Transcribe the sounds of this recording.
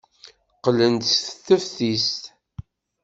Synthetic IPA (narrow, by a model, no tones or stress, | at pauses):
qələnt̪sθθəfθist̪